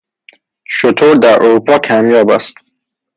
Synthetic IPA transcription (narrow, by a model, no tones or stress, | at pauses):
ʃot̪ʰoːɾd̪æɾʔoɾuːpʰɒːkʲʰæmjɒːbæ̰st̪